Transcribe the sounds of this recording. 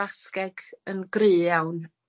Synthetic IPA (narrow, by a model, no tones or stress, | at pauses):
askɛɡənɡrɨːjawn